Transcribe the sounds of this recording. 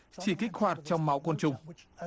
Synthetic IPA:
t͡ɕi˧˩ki˦˥k̚hwaː˨˩t̚t͡ɕɔ˧wŋ͡mma˨˦wkə˧nt͡ɕʊ˨˩ŋ͡m

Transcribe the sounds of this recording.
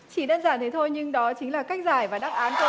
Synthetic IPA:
t͡ɕi˧˩ɗaː˧nzaː˧˩nt̪ʰe˨˦jt̪ʰo˧jɲɨ˧ŋɗɔ˨˦t͡ɕï˨˦ŋ̟laː˨˩ka˦˥jk̟̚zaː˨˩jvaː˨˩ɗaː˦˥p̚ʔaː˨˦nt̪o˧

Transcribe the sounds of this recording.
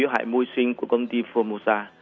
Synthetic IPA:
i˧˦wɦa̰ː˧˨jmu˧jswï˧ŋ̟ku˧˩əkə˧wŋ͡mt̪i˧fɔ˧mo˧zaː˧

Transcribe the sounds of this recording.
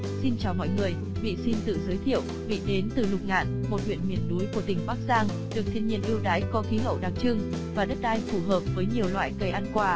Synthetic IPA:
si˧nt͡ɕaː˨˩wmɔ̰˧˨jŋɨ˨˩əj | mḭ˧˨si˧nt̪ɨ̰˧˨zəː˨˦jt̪ʰḭ˧˨əw | mḭ˧˨ɗe˨˦nt̪ɨ˨˩lʊ˨˩k͡p̚ŋa̰ː˧˨nmo˨˩t̚hwḭ˧˨ənmi˧˩ənɗu˨˦jku˧˩ət̪ï˨˩ŋ̟ɓaː˦˥k̚zaː˧ŋ | ɗɨ˨˩ək̚t̪ʰi˧ənɲḭ˧˨ənʔi˧əwɗaː˨˦jkɔ˨˦xi˨˦ɦə̰˧˨wɗaː˨˩ŋ̚t͡ɕɨ˧ŋvaː˨˩ɗə˦˥t̚ɗaː˧jfu˧˩ɦəː˨˩p̚vəː˨˦jɲi˨˩əwlwa̰ː˧˨jkə˧˩ʔaː˧nkwaː˧˩

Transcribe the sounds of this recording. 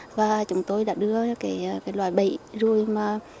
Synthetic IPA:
vaː˨˩t͡ɕʊ˨˦ŋ͡mt̪o˧jɗa̰ː˧˥ɗɨ˧əkaː˨˦jkaː˨˦jlwaː˧˨˩jɓə̰˧˨jzu˨˩əjmaː˨˩

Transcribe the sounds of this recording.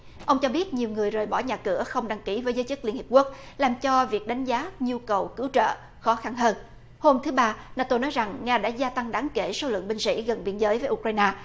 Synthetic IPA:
ʔə˧wŋ͡mt͡ɕɔ˧ɓi˦˥ət̚ɲi˨˩əwŋɨ˨˩əjzəː˨˩jɓɔ˧˩ɲaː˨˩kɨ˧˩əxə˧wŋ͡mɗa˧ŋki˧˩vəː˨˦jzəː˨˦jt͡ɕɨ˦˥li˧ənhi˨˩p̚ku˦˥ək̚laː˨˩mt͡ɕɔ˧vi˨˩ək̚ɗa˨˦jŋ̟zaː˨˦ɲu˧kə˨˩wkɨ˨˦wt͡ɕə̰ː˧˨ | xɔ˨˦xa˧nɦəː˧n | ho˧mt̪ʰɨ˨˦ɓaː˧naː˧t̪o˧nɔ˨˦jza˨˩ŋŋaː˧ɗa̰ː˧˥zaː˧t̪a˧ŋɗaː˨˦ŋke˧˩so˨˦lɨ̰˧˨əŋɓï˧ŋ̟sḭ˧˥ɣə˨˩nɓḭ˧ənzəː˨˦jvəː˨˦ʔu˧k̚ɾaː˧jnaː˧

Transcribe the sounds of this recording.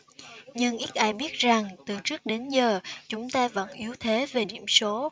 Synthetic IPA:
ɲɨ˧ŋʔi˦˥t̚ʔaː˧jɓi˦˥ət̚za˨˩ŋt̪ɨ˨˩t͡ɕɨ˦˥ək̚ɗe˨˦nzəː˨˩t͡ɕʊ˨˦ŋ͡mt̪aː˧və̰˧˥nʔi˨˦əwt̪ʰe˨˦ve˨˩ɗḭ˧˩əmso˨˦

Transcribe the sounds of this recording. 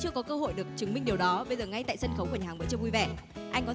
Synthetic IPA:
t͡ɕɨ˧əkɔ˨˦kəː˧ɦo̰˧˨jɗɨ˨˩ə˩k̚t͡ɕɨ˨˦ŋmï˧ŋɗi˨˩əwɗɔ˨˦ɓə˧jzəː˨˩ŋa˧jt̪a̰ː˧˨jsə˧nxə˨˦wka˨˩və̰˧˨t͡ɕəː˧vu˧jvɛ˧˩ʔa˧jŋkɔ˨˦

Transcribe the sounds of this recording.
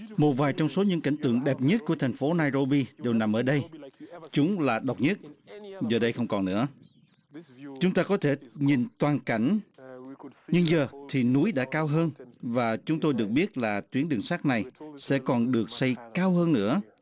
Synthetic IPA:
mo˨˩t̚vaː˨˩jt͡ɕɔ˧wŋ͡mso˨˦ɲɨ̰˧˥ŋka̰˧˩jŋ̟t̪ɨ̰˧˨əŋɗɛ˨˩p̚ɲə˦˥t̚ku˧˩ət̪ʰa˨˩ŋ̟fo˨˦naː˧jɾo˧ɓi˧ɗe˨˩wna˨˩mʔəː˧˩ɗə˧jt͡ɕʊ˨˦ŋ͡mlaː˨˩ɗə˨˩wk͡p̚ɲə˦˥t̚zəː˨˩ɗə˧jxə˧wŋ͡mkɔ˨˩nːɨ̰˧˥ə | t͡ɕʊ˨˦ŋ͡mt̪aː˧kɔ˨˦t̪ʰe˧˩ɲi˨˩nt̪waː˨˩nka˧˩jŋ̟ | ɲɨ˧ŋzəː˨˩t̪ʰi˨˩nu˨˦jɗa̰ː˧˥kaː˧wɦəː˧nvaː˨˩t͡ɕʊ˨˦ŋ͡mt̪o˧jɗɨ˨˩ək̚ɓi˦˥ət̚laː˨˩t̪wi˨˦ənɗɨ˨˩ŋsaː˦˥k̚na˨˩jsɛ̰˧˥kɔ˨˩nɗɨ˨˩ək̚sa˧jkaː˧wɦəː˧nːɨ̰˧˥ə

